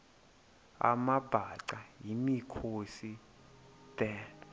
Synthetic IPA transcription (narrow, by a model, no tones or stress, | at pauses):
a̰mab̥ʱaǀajimikʰosi | tɛn